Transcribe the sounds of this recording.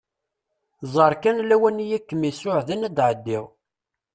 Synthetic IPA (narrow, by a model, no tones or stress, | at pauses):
zˤəɾˤkænlæwænijækːəmːisʊʕðænæd̪ʕəd̪ːɪʁ